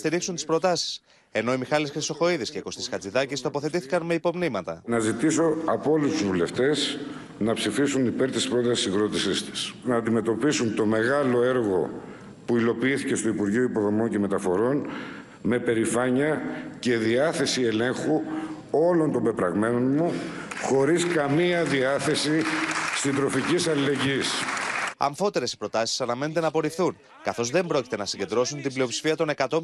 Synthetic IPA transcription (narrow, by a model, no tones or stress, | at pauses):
st̪iɾiksunt̪i̥spɾo̞t̪ɐsi̥s | e̞no̞imixɐlisxɾiso̞xo̞iðisceko̞st̪iskɐt͡siðɐcist̪o̞po̞θe̞t̪iθi̥kɐnmeipo̞mnimɐt̪ɐ̰nɐzit̪iso̞ɐpo̞list̪uzvule̞ft̪e̞s | nɐpsifisunipe̞ɾt̪ispɾo̞t̪ɐsi̥siɣɾo̞t̪isist̪i̥snɐːnd̪ime̞t̪o̞pisunt̪o̞me̞ɣɐlo̞e̞ɾɣo̞̰ | puilo̞piiθice̞st̪o̞ipuɾʝioipo̞ðo̞mo̞ɲce̞me̞t̪ɐfo̞ɾo̞n | me̞pe̞ɾifɐɲɐce̞ðiɐθe̞sie̞le̞ŋxu | o̞lo̞nt̪ombe̞pɾɐɣme̞no̞nmuxo̞ɾiskɐmiɐðiɐθe̞sist̪id̪ɾo̞ficisɐlile̞ɲɟisɐ̰ɱfo̞t̪e̞ɾe̞si̥pɾo̞t̪ɐsi̥sɐnɐme̞net̪e̞nɐpo̞ɾifθun | kɐθo̞zðe̞mbɾo̞ci̥t̪enɐsiɲɟe̞nd̪ɾo̞sunt̪iblio̞psi̥fiɐt̪o̞ne̞kɐt̪o̞